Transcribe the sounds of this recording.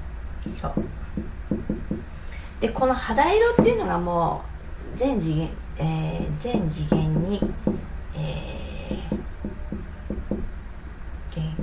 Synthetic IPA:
soː | d̪̥e̞ko̞no̞had̪aiɾo̞t̪ːeiɯ̟no̞ɡamoː | zẽ̞ɲ̟d͡ʑiɡẽ | ezẽ̞ɲ̟d͡ʑiɡẽ̞ɲːi | eː | ɡ̥ẽ

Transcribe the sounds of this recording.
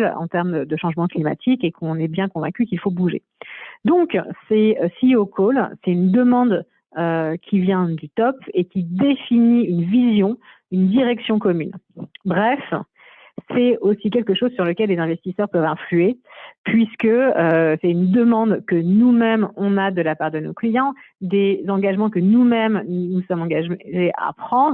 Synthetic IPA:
lɑ̰̃t̪ɛʁmd̪əʃɑ̃ʒmɑ̃klima̰t̪ʰikekʰɔ̃nɛbjɛ̃kɔ̃vɛ̃kʲykilfobuʒḛ | d̪ɔ̃ksɛøsiokʰolsɛt̪ynd̪əmɑ̃d̪ | økʲʰivjɛ̃d̪yt̪ɔpekʲid̪efiniynvizjɔ̃ | ynd̪iʁɛksjɔ̃kɔmynbʁɛf | sɛosik̬ʲɛlkəʃozsyʁləkʲɛlːezɛ̃vɛst̪isœʁpœvɛ̃flyepɥiskəøsɛt̪ynd̪əmɑ̃d̪kənumɛmɔ̃nad̪əlapaʁd̪əno̰klijɑ̃d̪ezɑ̃ɡaʒmɑ̃kənumɛmnusɔmɑ̃ɡaʒʒea̰pχɑ̃d̪ʁ

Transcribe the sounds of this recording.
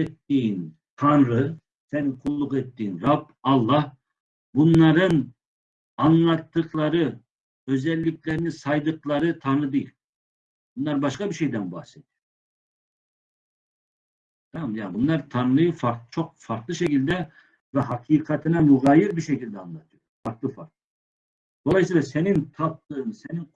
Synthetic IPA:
ɛt̪ːijin | t̪ʰɑnɾɯ | sɛninkʰulˠːuqɛt̪ːijinɾɑb | ɑlˠːɑh | bunlˠɑɾɯn | ɑnlˠɑt̪ːɯqlˠɑɾɯ | ø̞zɛlʲːicʰʲlʲɛɾinisɑjd̪ɯqlˠɑɾɯt̪ʰɑnɾɯd̪ejilʲ | b̥unlˠɑɾbɑʃkɑbiɾʃejd̪ɛnba̰hset̪̚ | t̪ʰɑmmjaːnbunlˠɑɾt̪ʰɑnlˠɯjɯfɑɾk̪t͡ʃʰoq̚fɑɾt̪lˠɯʃecʰilʲd̪ɛ | vɛɦɑqʰiqʰɑt̪ʰɯnɑmuɣɑːjiɾbiʃecʲilʲd̪ɛːnlˠɑt̪ʰɯjofɑɾk̪lˠɯfaɾk̪̚ˠɯ | d̪̥olˠɑjsijlˠasenint̪ʰɑp̚t̪ɯɯnsenin

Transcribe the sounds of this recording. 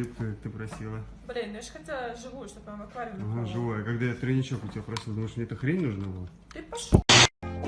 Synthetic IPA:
ɨp̚kəkk̚t̪ɨpɾɐsʲilˠə | blʲinʲɛʂxɐt̪ʲaʐɨvujʊʂt̪opʲomɐkvaɾʲɪnoʐɨvojəkaɡd̪ajat̪ɾənʲɪt͡ɕokʊtʲɪbʲapɾɐsʲilˠd̪ɐməʂmnʲeɛt̪əxɾʲenʲnuʐnəvo | t̪ɨpɐʂ

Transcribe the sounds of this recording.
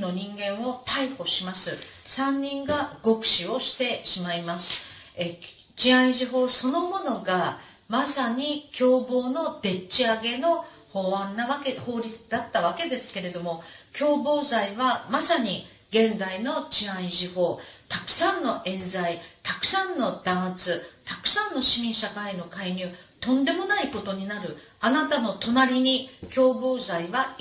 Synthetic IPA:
no̞ɲ̟ĩŋɡẽ̞ɰ̃o̞t̪aiho̞ɕimasɨsãɲ̟ːĩŋɡaɡ̥o̞kɯ̟̥ɕio̞ɕi̥t̪e̞ɕimaimasɨ̥e | t͡ɕiãĩʑiɦo̞ːso̞no̞mo̞no̞ɡa | masaɲ̟ikʲo̞ːbo̞ːno̞d̪̥e̞t͡ɕːiaɡe̞no̞ | ho̞ːβãnːaβakeho̞ːɾʲit͡sɨd̪at̪ːaβake̞d̪e̞sɨ̥ke̞ɾe̞d̪o̞mo̞kʲo̞ːbo̞ːzaiβamasaɲ̟i | ɡẽ̞nzaino̞t͡ɕiãĩʑiho̞ːt̪akɯ̟̥sãnːo̞ʔẽ̞nzait̪akɯ̟̥sãnːo̞d̪̥ãɰ̃t͡sɨt̪akɯ̟̥sãnːo̞ɕimʲĩɰɕakaino̞kaiɲʲɨːt̪õ̞nd̪e̞mo̞naiko̞t̪o̞ɲ̟inaɾɯ̟ | anat̪ano̞t̪o̞naɾʲiɲ̟ikʲo̞ːbo̞ːzaiβa

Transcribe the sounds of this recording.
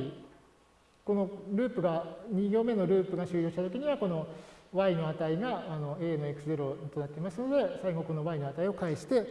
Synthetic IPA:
i | ko̞no̞ɾɯ̟ːpɯ̟ɡaɲ̟iɡʲo̞ːme̞no̞ɾɯ̟ːpɯ̟ɡaɕɨːjo̞ːit̪at̪o̞kʲiɲ̟iβako̞no̞βaino̞at̪aiɡaːno̞eːno̞ekɯ̟sɨze̞ɾo̞t̪o̞nat̪ːe̞imasɨno̞d̪e̞saiɡo̞ko̞no̞βaino̞at̪aio̞kaiɕi̥t̪e̞

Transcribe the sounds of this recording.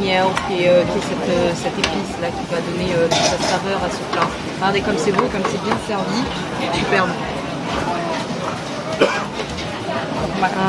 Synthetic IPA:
ɲɛkʲiɛøkʲiɛsɛt̪øsɛt̪epislakʲivad̪ɔneøt̪ut̪sasaʁœʁasətã | ɡaʁd̪ekɔmsevoekɔmsɛbjɛ̃sɛʁvi | typɛʁm | ma

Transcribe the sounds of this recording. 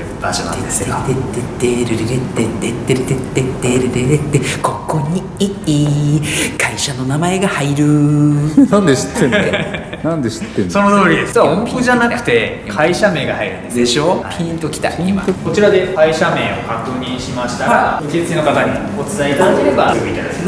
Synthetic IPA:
baɕonã̰eet̪et̪ːet̪ːeɾɯɾeɾet̪ːet̪ːet̪ːeɾet̪et̪ːet̪ːeɾɯɾeɾet̪ːekʰo̞kːõ̞ɲːi | ii | kʰaiɕano̞namae̞ɡahaiɾɯ̟ | nãnd̪eɕi̥t̪ːẽne | nãnd̪eɕi̥t̪ːenso̞not̪oːɾʲid̪esɨ̥saõmpɯʑanakɯ̟̥t̪e̞ | kʰaiɕame̞ːɡahaiɾɯ̟nd̪esd̪eɕo̞pʲʰĩnt̪o̞kʲi̥t̪a̰oima̰oko̞t͡ɕiɾad̪e̞kaiɕame̞ːo̰hat̪ːoːɲ̟iɕimaɕi̥t̪aaɯ̟kʲezɨkinokat̪aɲi | ot͡sɨzait̪ad̪ake̞ɾe̞basɯɡɯit̪ad̪ak̪

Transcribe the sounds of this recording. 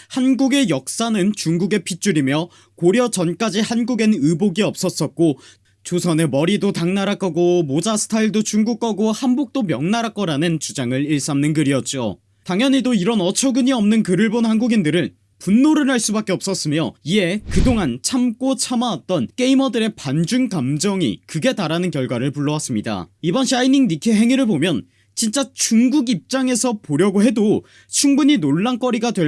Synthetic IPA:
hanɡuɡe̞jʌk̚s͈anɯnt͡ɕuŋɡuɡe̞pʰit͡ɕ͈uɾimjʌ | koɾjʌt͡ɕʌnk͈ad͡ʑihanɡuɡe̞nɯboɡiʌp̚s͈ʌs͈ʌt̚k͈o | t͡ɕusʰʌne̞mʌɾidotaŋnaɾak͈ʌɡomod͡ʑasʰɯ̥tʰaiɭdot͡ɕuŋɡuk͈aɡohanbok̚t͈omjʌŋnaɾak͈ʌɾanɯnt͡ɕud͡ʑaŋɯɾiɭs͈amnɯnkɯɾijʌt̚t͡ɕ͈o̰ | taŋjʌɲidoiɾʌnʌt͡ɕʰʌɡɯɲiʌmnɯnkɯɾɯɭbonhanɡuɡindɯɾɯn | punːoɾɯnɦaɭs͈ubak͈e̞ʌp̚s͈ʌs͈ɯmjoie̞kɯdoŋant͡ɕʰamk͈ot͡ɕʰamaat̚t͈ʌnk͈e̞imʌdɯɾe̞pand͡ʑuŋkamd͡ʑʌŋḭkɯɡe̞taɾanɯnkjʌɭɡwaɾɯɭpuɭːʌwas͈ɯmɲida̰ibʌnɕʰainiŋnikʰeɦe̞ŋiɾɯɭbomjʌn | t͡ɕint͡ɕ͈at͡ɕuŋɡuɡip̚t͡ɕ͈aŋe̞sʰʌpoɾjʌɡoɦe̞do | t͡ɕʰuŋbuɲinoɭːank͈ʌɾiɡadwe̞

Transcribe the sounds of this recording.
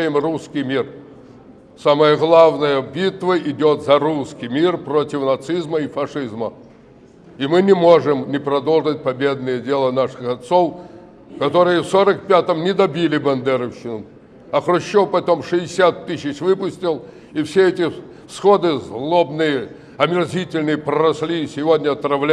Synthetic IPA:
jɪmruskʲijmʲir | saməjəɣlˠavnəjəbʲit̪vəʔɪdʲot̪zɐɾuskʲɪjmʲirpɾo̞tʲɪfnɐt̪sɨzməifɐʂɨzmə | imɨnʲɪmo̞ʐɨmnʲɪpɾɐd̪o̞lˠʐɨt̚ʲpɐbʲe̞d̪̚nəjədʲe̞lˠənaʂɨxɐt̪sof | kɐt̪o̞ɾɨjəfsoɾək̚pʲat̪əmnʲɪd̪ɐbʲilʲɪbɐnd̪ɛɾəfɕːɪnəm | ɐxɾʊɕːopɐt̪o̞mʂɨɪsʲat̪ːɨsʲɪt͡ɕvɨpʊsʲtʲɪlˠ | ifsʲeɛtʲɪ | sxo̞d̪ɨzlˠobnɨjə | ɐmʲɪrzʲitʲɪlʲnɨjəpɾəɾɐsʲlʲisʲɪvʲodʲnʲəɐt̪ɾɐvlʲ

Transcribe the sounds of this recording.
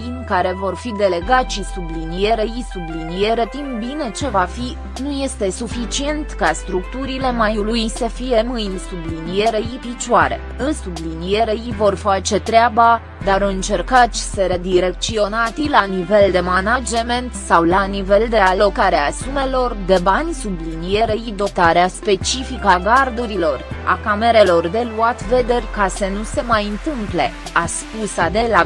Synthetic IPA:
inʲkaɾe̞vo̞rfid̪e̞le̞ɡat̪ʃisublinije̞ɾeisublinije̞ɾe̞t̪impbine̞t͡ʃe̞vafi | nuje̞st̪e̞sufit͡ʃie̞nt̪kast̪ɾukt̪uɾile̞majulujsəfije̞mɨjnʲsublinije̞ɾe̞ipit͡ʃaɾe̞̰ | ɨnsublinije̞ɾe̞ivo̞rfat͡ʃe̞t̪ɾeaba | d̪aɾɨnt͡ʃe̞rkat͡ʃi̥səɾed̪iɾe̞k̚t̪sio̞nat̪ilanive̞ld̪e̞manad͡ʒement̪sawlanive̞ld̪e̞alo̞kaɾeasume̞lo̞rd̪e̞banʲsublinije̞ɾeid̪o̞t̪aɾeaspe̞t͡ʃifikaɡard̪uɾilo̞ra̰kame̞ɾe̞lo̞rd̪e̞luat̪ve̞d̪e̞rʲkasənuse̞majɨnt̪ɨmple̞ | askusad̪e̞la

